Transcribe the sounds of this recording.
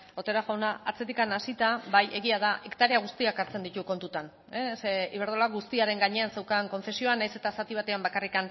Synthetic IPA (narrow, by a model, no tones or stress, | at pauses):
oɾt̪e̞ɾaʝawnaat͡se̞t̪ikanasit̪abaje̞ɣiaðaʔekt̪aɾeaɣ̞ust̪iakaɾt͡se̞nd̪it̪uko̞nt̪ut̪an | eseiβ̞e̞ɾð̞o̞laɣust̪iaɾe̞ŋɡaɲe̞ansewkaŋko̞nθe̞sio̞anajse̞t̪asat̪iβ̞at̪eambakarikan